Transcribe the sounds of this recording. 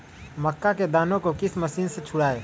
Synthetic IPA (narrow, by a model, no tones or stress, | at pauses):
məkːaked̪aːnõkokɪsmɐsiːnset͡ʃʰʊɽaːeː